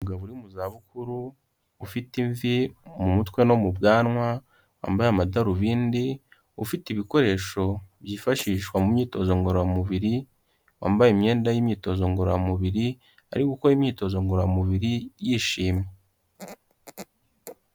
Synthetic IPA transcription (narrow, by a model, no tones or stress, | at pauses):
muɡaβuɾimuzaβukuɾuː | fitiɱvimumutwe̞no̞mubɡaːnŋwa | wa̰ːmbajamadaɾuβiːndi | ufitiβiko̞ɾe̞ʃo̞bjiːfaʃiːʃwamumɲiːto̞zo̞ŋɡoɾojamuβiɾi | wa̰ːmbajimɲe̞ːndajimɲiːto̞zo̞ŋɡoɾojamuβiɾi | a̰ɾikukoɾimɲiːto̞zo̞ŋɡoɾoamuβiɾijiʃiːme